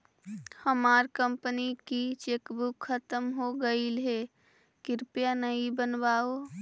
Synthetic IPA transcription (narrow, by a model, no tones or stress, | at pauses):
həmaːɾkə̃mpnikit͡ʃeːkbukʰːət̪əmɦoɡəilɦe | kɪɾpjanəibənʋaːo